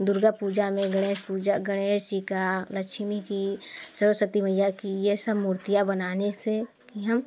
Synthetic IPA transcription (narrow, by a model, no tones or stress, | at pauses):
d̪ʊɾɡapuːd͡ʒamẽɡəɽ̃eːʃpuːd͡ʒaɡəɽ̃eːʃt͡ʃikaləkʃmikisəɾosət̪iməjakijesəbmuːɾt̪ijabənaːnese | kiɦəm